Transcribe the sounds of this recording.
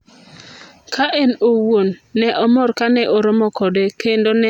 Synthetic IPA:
kʰaʔenowonːɛʔɔmɔɾkanɛʔoɾɔmɔkɔdɛkendonɛ

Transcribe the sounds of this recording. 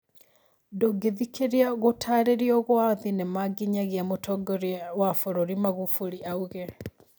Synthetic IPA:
doɡeðikeɾiaɣotʰaɾeɾiɔɣwaðinemaɡiɲaɣiamotʰɔɡɔɾjwafɔɾoɾimaɣufuɾiʔauɣɛ

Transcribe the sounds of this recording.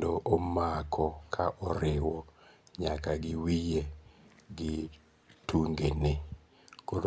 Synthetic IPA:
doʔomakʰɔkʰaʔɔɾɪwɔɲakaɡɪwijeɡɪ | tuŋɡenɪ | kod

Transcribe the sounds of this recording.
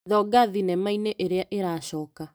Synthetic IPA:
ðɔɡaðinɛmaineʔeɾeaʔeɾaːɕɔːka

